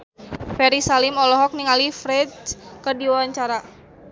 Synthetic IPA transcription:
fɛɾisalimɔlɔɦɔk̚niŋalifɾɛd͡ʒkədiwawaɲt͡ʃaɾa

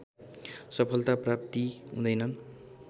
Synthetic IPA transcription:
sʌpʰʌlt̪aprap̚t̪iɦṵ̃d̪ʌjnʌn

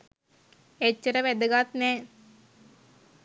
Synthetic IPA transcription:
et͡ɕːəɾəʋæd̪əɡat̪nɛː

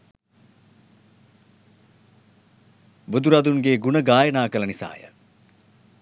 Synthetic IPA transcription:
bud̪uɾɐd̪uŋɡeɡunəɡaːjənaːkəlɐnisa̰ːjə̰

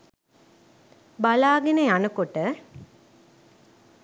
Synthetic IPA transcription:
balaːɡenəjanəkoʈə

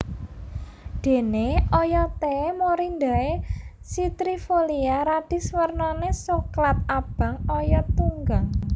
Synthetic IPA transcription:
d̪̥e̤neɔjɔt̪emoɾind̪a̤e | sit̪ɾifoliaɾad̪̥i̤swərnɔnesoklat̪̚ab̥a̤ŋɔjɔt̪uŋɡaŋ

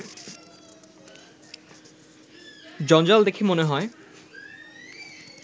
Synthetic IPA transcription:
d͡ʑɔnd͡ʑald̪ekʰemoneɦɔe

